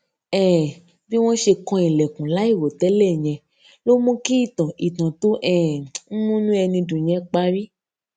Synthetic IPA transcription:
ɛː˦˨ | bi˦w̃ɔ̃˦ʃe˧kɔ̃˧i˨lɛ˨kũ˨la˨˦i˦˨wo˨tɛ˨˦lɛ˦˨ɲ̃ɛ̃˧ | lo˦mũ˦ki˦i˦˨tã˨ʔi˨tã˨to˨˦ʔɛ˦˨n̩˦mũ˦nũ˦ɛ˧nĩ˧dũ˨ɲ̃ɛ̃˨˦k͡pa˦ɾi˦

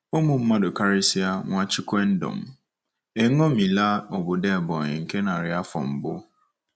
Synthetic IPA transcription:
o˦mũ˨m̩˦mã˦dʊ˨kʰa˦ɾɪ˦si˦a˦ŋɔ̃˨a˦t͡ɕʰɪ˦kʰɛ˦n̩˦dɔ̰̃˨m | e˨˦ŋɔ̃˦mĩ˨la˦ɔ˨bʊ˨dɛ˦˨bɔ˨ɪ̰˨ŋ̩˨kʰɛ˦nã˨ɾɪ˨a˦fɔ̰̃˨m̩˨bʊ˦

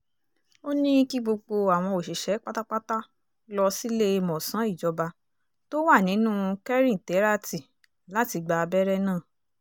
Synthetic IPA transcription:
o˦nĩ˦ki˦ɡ͡bo˧ɡ͡bo˧a˨w̃ɔ̃˧o˨ʃe˨ʃɛ˨˦k͡pa˦ta˦k͡pa˦ta˦ | lɔ˧si˦le˦˧mɔ̃˨sã˨˦i˦˨d͡ʒɔ˧ba˧ | to˦wa˦˨nĩ˨˦nũ˦kɛ˦ɾĩ˦˨tɛ˨˦ɾa˦ti˨ | la˦ti˧ɡ͡ba˧bɛ˦ɾɛ˦nãː˦˨

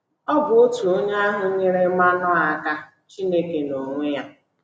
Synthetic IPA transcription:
ɔ˦bʊ˨ʊ˦tu˨o˦ɲ˦a˦ɦʊ˨˦ɲɪ˦ɾɪ˦ma˦nɔ˦a˨˦ka˦ | t͡ʃi˦ne˦ke˨no˨ŋʷe˦ja˦

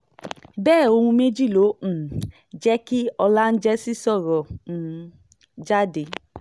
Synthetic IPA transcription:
bɛː˦˨o˧hũ˧me˦d͡ʒi˦˨lõ˨˦˨ | d͡ʒɛ˦ki˦ɔ˧la˦n̩˦d͡ʒɛ˦si˦sɔ˦˨ɾɔ̃˨ | d͡ʒa˦de˨

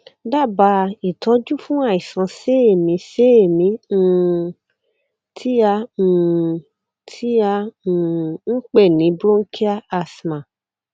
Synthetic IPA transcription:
da˦˨ba˧i˨tɔ˨˦d͡ʒu˦fũ˦a˦˨i˨sã˨˧˦se˦e˨mĩ˨˧˦se˦e˦˨mĩ˨˧˦ | tʰi˦a˧u˨ | tʰi˦ã˧˦˨ | ŋ̩˦k͡pɛ˦˨nĩ˨˦bɾõ˦ŋ̩˦kʰi˦a˦a˧˨smã˨

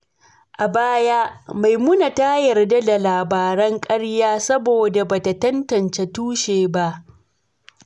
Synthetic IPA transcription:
ʔa˨baː˦ja˦ma˨jmʊ˦na˨ta˦jɐ˨rda˦da˨laː˨baː˨ɾɐ˦ŋkʼɐ˦ɽjaː˦sɐ˦boː˨da˨baː˨ta˨tɐ˦ntɐ˨nt͡ʃe˨tuː˦ʃeː˨ba˦ʔ

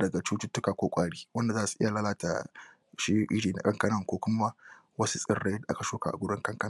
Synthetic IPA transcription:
dɐ˨ɡa˨t͡ʃuː˦tʊ˦tːʊ˦kaː˨kʷoː˦kʷʼaː˦ɽiː˦wɐ˦nda˨zaː˦su˨ʔɪ˦ja˨laː˦laː˦ta̰˨ | ʃi˦ʔɪ˦ɾiː˨na̰˨kʼɐ˦ŋkɐ˦nɐ˦ŋkʷoː˦kʷʊ˦ma˦ | wɐ˦su˦sʼɪ˨rːe˦dʔa̰˦ka˨ʃoː˦ka̰˨ʔa˨ɡʷʊ˦ɽɪ˦ŋkʼɐ˦ŋkɐ˦n˨

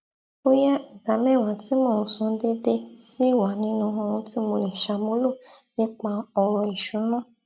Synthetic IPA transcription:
o˦ja˦i˨da˨˦mɛ̃˦˨wã˨ti˦mõ˨ũ˧sɔ̃˧de˦de˧si˦˨wa˨nĩ˧nũ˧ɦɔ̃˧ɾ̃ũ˧˦ti˦mõ˧li˨ʃa˧mo˦lo˦˨ne˦k͡pa˧ɔ˧ɾɔ˧i˨ʃu˨˦nɔ̃˦˨

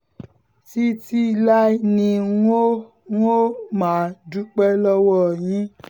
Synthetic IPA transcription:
ti˦ti˦la˦nĩ˧ŋo˦ | ŋ˦o˦mã˨du˦k͡pɛ˦lɔ˦wɔ˦˨ɲĩ˦

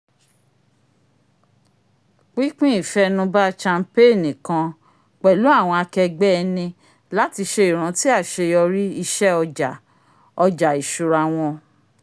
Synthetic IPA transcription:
k͡pi˦k͡pĩ˦i˨fɛ˦nũ˧˦ba˦t͡ʃa˧m̩˦pe˦˨nĩ˨kã˧ | k͡pɛ˨lu˨˦a˦˨w̃ɔ̃˧a˧kɛ˧ɡ͡bɛ˦ɛ˧nĩ˧ | la˨˦ti˧ʃe˧i˨ɾ̃ã˨˦ti˦a˦˨ʃe˧jɔ˧ɾi˦i˦˧ʃɛ˦ɔ˧d͡ʒa˨ | ɔ˧d͡ʒa˨i˨ʃu˨ɾa˨w̃ɔ̃˧

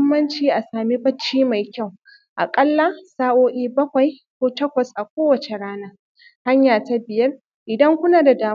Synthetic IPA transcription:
mːɐ˦nt͡ʃiː˦ʔa˨saː˨mi˦bɐ˦t͡ʃːiː˦ma˨jkʲa˦˨w | ʔa̰˨kʼɐ˦lːa˦saː˦ʔoː˦ʔʲiː˦bɐ˦kʷa˨jkʷoː˦tɐ˦kʷɐ˨sʔa˨kʷoː˦wɐ˨t͡ʃe˨ɽaː˦naː˦ | ha˦ɲjaː˨ta˦bɪ˨jɐ˦r | ʔɪ˨dɐ˦ŋkʷʊ˦naː˨da˨daː˨

